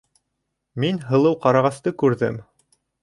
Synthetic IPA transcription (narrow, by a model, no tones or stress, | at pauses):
minɦɤ̆lˠɤwqɑɾɑʁɑst̪ɤkʉɾðɘ̰m